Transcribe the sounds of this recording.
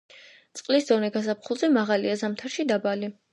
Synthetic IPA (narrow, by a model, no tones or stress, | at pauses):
t̪sʼqʼlisd̪ɔnɛɡas̬apχulˠzɛmaʁaliazamt̪ʰaɾʃid̪abali